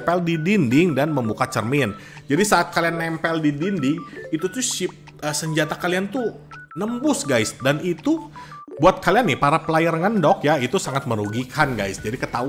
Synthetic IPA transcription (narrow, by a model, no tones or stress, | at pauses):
pɛldidindɪŋdanməmbukat͡ʃərmɪn | d͡ʒadisaːt̪̚kalianːɛmpɛldidindɪŋit̪ut̪ʊʃɪp̚ | əːsəɲd͡ʒat̪akaliant̪u | nəmbʊsɡajsdanit̪ubuat̪̚kalianːɪhpaɾapəlajaɾŋandɔkjait̪usaŋat̪̚məɾuɡikʰanɡajsd͡ʒadikət̪a